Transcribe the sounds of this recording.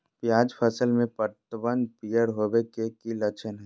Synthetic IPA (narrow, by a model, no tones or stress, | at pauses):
pjaːd͡ʒpʰəsəlmẽpəɾt̪əbənd̪̚pijəɽɦoːʋekekilɐt͡ʃʰənɦɛ